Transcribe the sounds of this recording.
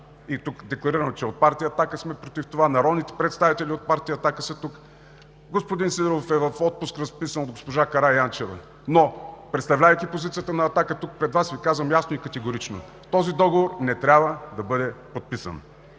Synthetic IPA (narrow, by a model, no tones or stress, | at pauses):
it̪ukd̪ɛklˠɐɾiɾənt͡ʃɛot̪̚paɾt̪ijəːɐt̪akəsmɛpɾot̪ift̪ovanɐɾɔd̪nit̪ɛ̥pɾɛt̪st̪avit̪ɛlʲiot̪̚paɾt̪ijəɐt̪akəsɐt̪uk | ɡospod̪insid̪ɾofɛvɐfɔt̪̚pʊskɾɐspisənod̪̚ɡospoʒakɐɾajant͡ʃɛvə̰ | nopɾɛt̪st̪ɐvlʲavɐəjk̪ʲipozit̪sijət̪ənɐːt̪akət̪uk̚pɾɛd̪vasvikazvəmjasnoikɐt̪ɛɡoɾit͡ʃno̰ | ft̪ɔzid̪ɔɡovoɾnɛt̪ɾʲabvəd̪ɐbɤd̪ɛpot̪̚pisə̰n